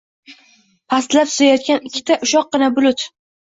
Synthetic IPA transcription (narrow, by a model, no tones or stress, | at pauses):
pʰast̪lapsɪ̥zajɒt̪̚kʲanɪkʲʰːɪ̥t̪ʰaʔʊʃɒq̚ːɨnabʊlʊt̪